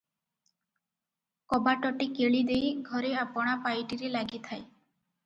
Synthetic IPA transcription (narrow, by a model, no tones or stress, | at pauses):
kɔbaʈɔʈikeɭid̪ejɡʱɔɾeapɔɽ̃apajʈiɾelaɡit̪ʰae